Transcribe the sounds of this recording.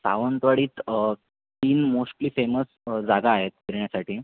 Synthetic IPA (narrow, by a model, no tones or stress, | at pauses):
sa̰ʋənt̪ʋaɽiːt̪ | t̪iːnmosʈliːfeməsd͡zaɡaːɦet̪̚kəɾɳjasaʈʰiː